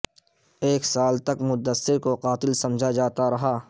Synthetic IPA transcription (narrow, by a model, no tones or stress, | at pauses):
eːksaːlt̪ɐkmʊt̪̚d̪əsːɪɾkoqaːt̪ɪlsɐ̃md͡ʒʱad͡ʒaːt̪aɾɐɦaː